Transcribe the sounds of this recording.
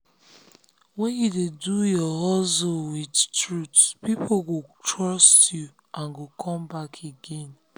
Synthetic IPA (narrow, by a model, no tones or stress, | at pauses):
wɛ̃njudedujɔɦɔzowidtɹutpipʰoɡotʰɹɔstju | ʔãnɡokʰɔ̃mbakʰeɡẽn